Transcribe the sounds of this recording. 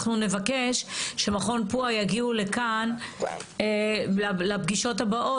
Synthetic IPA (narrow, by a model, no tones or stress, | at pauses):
χnune̞vakeʃʃe̞maχo̞npuajaɡiule̞kan | elalabɡiʃo̞tabaʔo